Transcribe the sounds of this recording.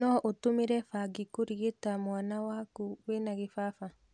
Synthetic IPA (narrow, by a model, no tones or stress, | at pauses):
ɔʔotomeɾɛfaɡikoɾiɣetamwanawaːkuwenaɣefafa